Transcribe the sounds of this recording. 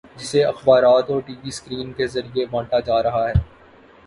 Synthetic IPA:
d͡ʒɪseɐxbaːɾaːt̪ɔːɾʈiːʋiskɾiːnkezɐɾiebãːʈad͡ʒaːɾɐɦaɦɛː

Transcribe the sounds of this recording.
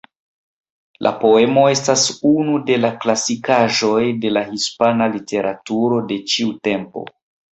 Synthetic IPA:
lʔa̰po̞e̞mo̞e̞stasunude̞laklasikaʒo̞jde̞lahispanalite̞ɾʔatuɾo̞de̞t͡ʃiute̞mpo̞̰

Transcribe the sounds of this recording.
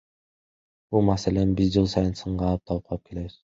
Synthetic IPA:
b̥ulˠmaselenbizd͡ʒɯlˠsɑjɯnsɯɴɢɑːlˠɯp̚t̪ʰɑlˠɯp̚qʰɑlˠɯ̥p̚kʰe̞le̞βɪz̥

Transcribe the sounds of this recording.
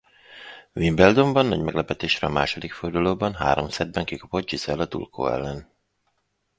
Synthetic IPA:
vimbɛld̪o̞mbɒnːɒ̰ɟmɛɡlɛpɛt̪eːʃrɛɒmaːʃo̞d̪ikford̪uloːbɒnɦa̰ːɾomsɛd̪̚bɛŋkikɒpo̞d̪̚d͡ʒizɛlɒt̪ṵlkʰo̰ːɛ̰lːɛn

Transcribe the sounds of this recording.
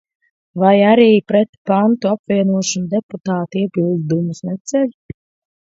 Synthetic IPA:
vajaɾiːpɾɛt̪pant̪uapvʲiɛnuɔʃɔnud̪ɛput̪aːt̪iɛbilˠd̪d̪umusnɛt̪sʲɛʎʲ

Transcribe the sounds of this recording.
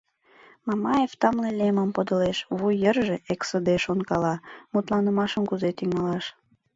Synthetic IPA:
mɑmɑjeft̪ɑmleleməmpəd̪ə̆leʃβujərʒeʔeksəd̪eʃonkɑlɑmut̪lɑnəmɑʃəmkuzet̪iŋɑlɑʃ

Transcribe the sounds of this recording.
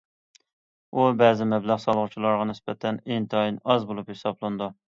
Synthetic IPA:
ubɛːzɪmɛblæʁsɑlˠʁʊt͡ʃʰilˠɑɾʁɑnɪsbɛt̪ʰɛneŋt̪ʰɑjinɑzbolˠuphesɑblˠɨnd̪u

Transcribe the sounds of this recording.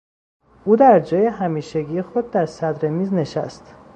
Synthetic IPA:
ʔuːd̪æɾd͡ʒɒːje̞ɦæmiːʃe̞ɟiːjexo̞d̪̚d̪æɾsæd̪ɾe̞miːzne̞ʃæ̰st̪

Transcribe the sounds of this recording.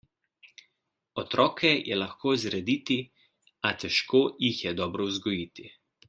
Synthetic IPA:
ɔt̪ɾɔːkʰɛjʔɛlaxkoːzɾɛd̪it̪i | at̪ɛʃkoːjixjɛd̪ɔːbɾɔuzɡɔjiːt̪i

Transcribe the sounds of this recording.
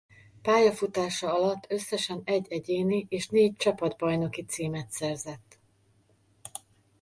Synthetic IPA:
paːjɒfut̪aːʃɒɒlɒt̪ːø̞sːɛʃɛnɛɟːɛɟeːniʔeːʃneːc̚t͡ʃɒpɒd̪bɒjno̞kit̪siːmɛt̪sɛrzɛt̪ː

